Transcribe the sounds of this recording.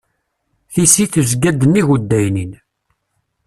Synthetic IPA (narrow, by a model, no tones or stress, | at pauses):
θisiθuzɡæd̪ənːiʝud̪ːæjnin